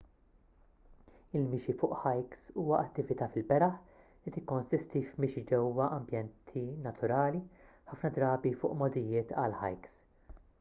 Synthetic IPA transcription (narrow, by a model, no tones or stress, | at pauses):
ɪlmɪːʃifʊːʔħɐjksuːwɐʔɐt̪ːɪvɪt̪ɐːfɪlbɛɾɐħ | lit̪ɪkːɔnsɪst̪ifmɪːʃid͡ʒɛwɐʔɐmbjɛnt̪ʰinɐt̪ʰʊɾɐːliħɐfnɐd̪ɾɐːbifʊ̰ːʔmɔd̪ɪjɪːt̪ʰɐ̰lħɐ̰jks